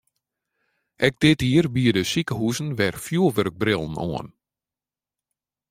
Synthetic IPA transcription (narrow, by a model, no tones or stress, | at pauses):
ʔɛɡ̚d̥ɪtiərbiədəsikəɦuzən̩ʋɛrfjuəlˠʋøɾɡ̚brɪlˠn̩o̰ən